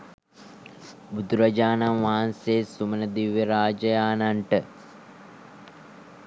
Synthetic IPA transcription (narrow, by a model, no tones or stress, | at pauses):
bud̪uɾɐd͡ʒaːnamʋaɦanseːsumənəd̪iʋːeɾaːd͡ʒɐjaːnaɳʈə